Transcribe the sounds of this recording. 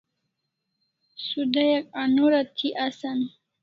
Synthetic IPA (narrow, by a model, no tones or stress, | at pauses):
sud̪ajakanoɾat̪ʰiʔasan